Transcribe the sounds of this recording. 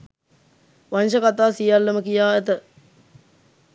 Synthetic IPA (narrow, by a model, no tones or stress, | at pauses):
ʋanʃəkat̪aːsijalːɐməkijaːet̪ə